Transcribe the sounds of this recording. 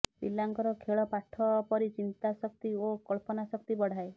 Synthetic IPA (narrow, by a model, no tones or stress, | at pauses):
sḭlːaŋkɔɾɔkʰeɭɔpaʈʰːɔpɔɾit͡ʃint̪asɔkt̪iokɔlpɔnasɔkt̪ibɔɽ̤ae